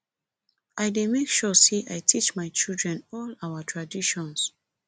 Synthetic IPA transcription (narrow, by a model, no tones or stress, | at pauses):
ʔajdemekʃɔsiʔajtʰit͡ʃmaɪt͡ʃildɹɛ̃nɔlawatʰɹadiʃɔ̃ns